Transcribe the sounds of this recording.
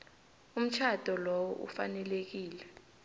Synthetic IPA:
um̩t͡ʃʰad̥ʱɔlɔwɔʔṵfanɛlek̬iːlɛ

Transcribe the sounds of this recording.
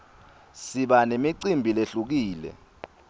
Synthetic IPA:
siɓanemiǀimbʱileɬuk̬iːlɛ̰

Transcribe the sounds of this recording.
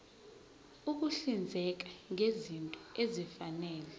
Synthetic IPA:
uk̬uɬind͡zʱɛk̬ḁŋʱezintʼɔezifanɛːlɛ

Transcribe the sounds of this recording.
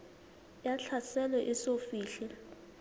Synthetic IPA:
jaɬʰasɛlɛʔisofiːɬɛ

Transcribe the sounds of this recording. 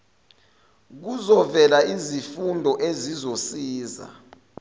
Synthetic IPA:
k̬uzɔvɛlaizifundʱɔʔezizosiːza̰

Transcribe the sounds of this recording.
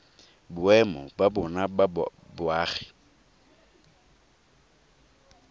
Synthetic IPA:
bʊɛmɔbabʊnababʊaːɣɪ

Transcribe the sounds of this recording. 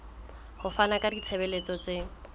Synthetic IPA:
hʊfanakʼadit͡sʰebelet͡sɔt͡se

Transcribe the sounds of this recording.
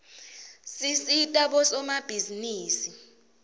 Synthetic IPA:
sisitʼaɓɔsɔmab̥ʱiziniːsi

